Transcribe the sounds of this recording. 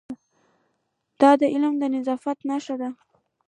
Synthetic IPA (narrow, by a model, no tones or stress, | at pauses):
d̪̥ɑd̪əʔɪlmd̪ənɪzɑfat̪naʃad̪a